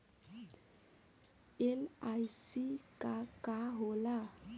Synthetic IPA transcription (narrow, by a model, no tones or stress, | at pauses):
elajsikakaɦola